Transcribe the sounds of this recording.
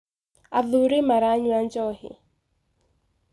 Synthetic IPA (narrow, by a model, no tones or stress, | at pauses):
aðʊɾɪmaɾaɲwand͡ʒɔhɪ̰